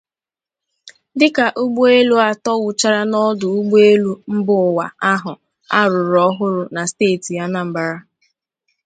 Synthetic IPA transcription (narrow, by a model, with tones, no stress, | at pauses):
dɪ˦ka˨ʔu˦ɡ͡bu˦e˦lu˦a˨tɔ˦wʊ˨t͡ʃa˦ɾa˦nɔ˦dʊ˨u˦ɡ͡bu˦e˦lu˦m̩˦bʊ˦˨wa̰˨a˦ɦʊ˨ | a̰˦ɾʊ˨ɾɔ˦ɦʊ˦ɾʊ˨na˨steː˦˨ti˨ja˦na˦m̩˨ba˨ɾa˦